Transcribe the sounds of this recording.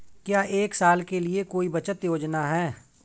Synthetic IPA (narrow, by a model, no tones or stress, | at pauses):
kjaːʔeːksaːlkeliekoːibɐt͡ʃət̪joːd͡ʒnaɦɛː